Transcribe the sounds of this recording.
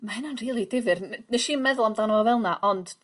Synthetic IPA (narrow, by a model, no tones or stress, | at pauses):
mahɪnɔnriːlˠidɪvɨrnəʃiːnmɛðʊlˠamdanəvɔvɛlˠnaʔɔnd̥